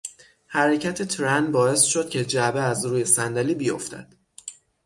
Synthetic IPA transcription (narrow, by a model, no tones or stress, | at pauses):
hæɾecʰæt̪ʰet̪ʰɾænbɒːe̞sʃod̪̥̚cʲʰe̞d͡ʒæbeæzɾuːje̞sænd̪æliːbijo̰ft̪ʰæ̰d̪̥